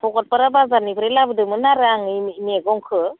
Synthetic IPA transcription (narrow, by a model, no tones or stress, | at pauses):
pʰɔɡɔt̚paɾabazanibɯɾelabɯdɯmɯnaɾɯaŋmeɡɔŋkʰɯ